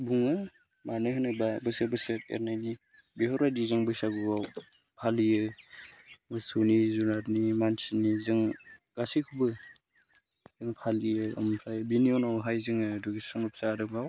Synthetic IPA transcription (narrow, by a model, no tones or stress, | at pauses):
buŋɯ | manɯɦɯnɯbabɯsɯbɯsɯḛɾnajni | biɦɔɾajdizɯŋbɯsabɯɡaw | pʰalijɯ | mɯsɯwnizunaɾnimansinːizɯŋɡ̥asikʰubɯ | zɯŋpʰalijɯa̰mɯnpʰajbinionawɦajzɯŋɯduɡisaŋnɯp̚saɾɯkbaw